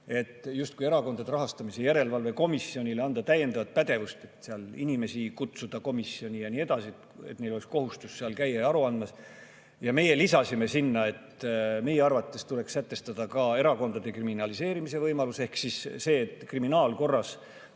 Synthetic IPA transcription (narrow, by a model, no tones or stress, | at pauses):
e̞t̪ːˑjust̪kujeɾɑko̞nd̪ɑd̪eɾɑɦɑst̪ɑmisejæɾe̞lvɑlve̞ko̞misːio̞nʲileɑnd̪ɑt̪æje̞nd̪̥ɑvɑt̪̚pæd̪e̞vust̪e̞t̪seɑlinʲime̞sikut̪sud̪̥ɑko̞misːio̞nʲijɑnie̞d̪̥ɑsiet̪et̪neloeksko̞ɦust̪usːeɑlkæjeɑɾuɑnd̪mɑs | jɑme̞je̞lisɑsime̞sinːɑe̞t̪me̞jeɑrvɑt̪ˑːe̞st̪ule̞kssæt̪ːˑe̞st̪ɑd̪̥ɑkɑe̞ɾɑko̞nd̪ɑd̪e̞kriminɑlise̞ːɾimise̞vɤjmɑluse̞hksisse̞ːt̪kriminɑːlko̞rːɑs